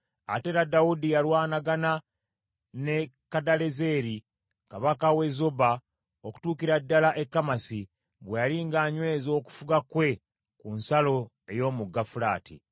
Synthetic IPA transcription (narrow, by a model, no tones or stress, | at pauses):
a̰te̞ɾadaudijalwaːnaɡana | nekadale̞ze̞ːɾi | kaβakawe̞zoba | oku̥tuːkiɾadːalaʔe̞kːamasi | βwejaliŋɡaːɲwe̞ːzoːku̥fuɡakwe̞ | kunsalo̞ | e̞jo̞ːmuɡːafula̰ːtḭ